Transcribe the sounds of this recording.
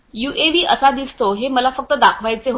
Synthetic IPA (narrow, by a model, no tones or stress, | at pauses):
juʔeʋiːʔəsad̪ist̪oɦeməlafək̚t̪əd̪akʰʋajt͡seɦo